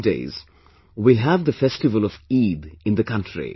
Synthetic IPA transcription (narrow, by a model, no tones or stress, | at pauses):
dḛɪz | wilɦævd̪əfɛstɪvəlɔfiːd̪ɪ̃nd̪əkʰʌ̃ntʰɹḭ